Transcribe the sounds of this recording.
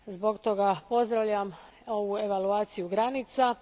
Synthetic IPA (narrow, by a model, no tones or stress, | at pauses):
zbo̞ɡt̪o̞ɡapo̞zd̪ɾaʋʎam | o̞ʋue̞ʋaluaːt̪sijuɡɾanit̪sa